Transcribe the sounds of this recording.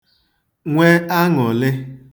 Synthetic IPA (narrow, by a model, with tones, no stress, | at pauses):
ŋʷe˦a˦ŋɔ˨lɪ˦